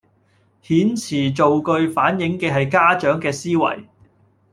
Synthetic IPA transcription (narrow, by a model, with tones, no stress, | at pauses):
hiː˨˥nt͡sʰiː˨˩t͡so˨wkɵ˧ɥfaː˨˥njɪ˨˥ŋkɛː˧ɦɐ˨jkaː˥t͡ʃœː˨˥ŋkɛː˧siː˥wɐ̰˨˩j